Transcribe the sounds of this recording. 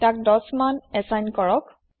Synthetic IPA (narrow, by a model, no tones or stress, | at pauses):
tak̚dɔsmanɛsajnkɔɹɔk